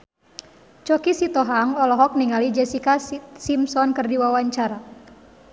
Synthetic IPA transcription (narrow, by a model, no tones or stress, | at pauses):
t͡ʃɔkisit̪ɔɦaŋɔlɔɦɔk̚niŋalid͡ʒɛsikasimsɔnkərdiwawaɲt͡ʃaɾa